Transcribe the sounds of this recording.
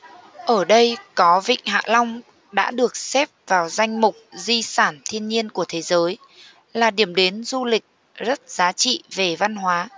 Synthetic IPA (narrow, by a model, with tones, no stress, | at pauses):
ʔəː˧˩ɗə˧jkɔ˨˦vḭ˧˨ŋ̟ɦa̰ː˧˨lɔ˧wŋ͡m | ɗa̰ː˧˥ɗɨ˨˩ək̚sɛ˦˥p̚vaː˨˩wza˧jŋ̟mʊ˨˩k͡p̚zi˧saː˧˩nt̪ʰi˧ənɲi˧ənku˧˩ət̪ʰe˨˦zəː˨˦j | laː˨˩ɗi˧˩əmɗe˨˦nzu˧lï˨˩k̟̚ | zə˦˥t̚z̥aː˨˦t͡ɕḭ˧˨ve˨˩va˧nɦwaː˨˦